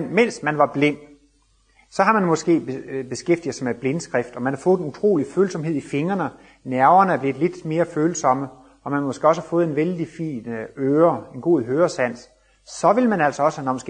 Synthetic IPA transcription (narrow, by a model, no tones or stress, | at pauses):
nmen̰smænʋɑ̈b̥le̝n̰ | sɒ̽ɦɑ̈mænmɒ̽sɡ̥e̝̰ːbb̥e̝sɡ̥efd̥ið̩ˠsameb̥le̝nsɡ̥ʁɛfd̥ɒ̽mænhɑ̈fɔ̽ːð̩ˠenut͡sʰʁo̝̰ːliføːlsɒ̽mɦe̝ð̰ˠife̝ŋɐnə | næɐʊɐnəæɐb̥le̝ð̥̩ˠle̝d̥me̝ːɐføːlsɒ̽mə | ʔɒ̽mænmo̽sɡ̥e̝ːɒ̽s̬hɑfɔ̽ːð̩ˠe̝nʋeld̥ifḭːnøːɐe̝nɡ̥o̝̰ːð̩̰ˠɦøːɐsæn̰s | sɒ̽ʋe̝ləmænæl̰sɒ̽ɒ̽sənɒmɒsɡ̥e